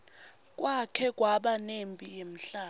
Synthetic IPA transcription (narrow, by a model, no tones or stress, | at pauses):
k̬ʼwakʰɛk̬ʼwaɓanempʼijem̩ɬaː